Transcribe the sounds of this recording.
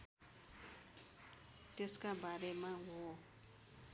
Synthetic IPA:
teskabaɾɛmaɡɔ

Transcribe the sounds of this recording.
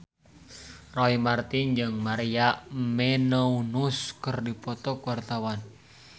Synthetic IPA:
rɔimart̪iɲd͡ʒəŋmaɾijaʔmenounuskərdipɔt̪ɔkwart̪awan

